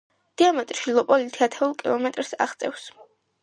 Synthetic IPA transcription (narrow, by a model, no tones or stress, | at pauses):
d̪̥iamɛt̪ʼɾʃilˠɔpʼɔlit̪ʰiat̪ʰɛulˠkʼilˠɔmɛt̪ʼɾsa̰ʁt̪sʼɛ̰fs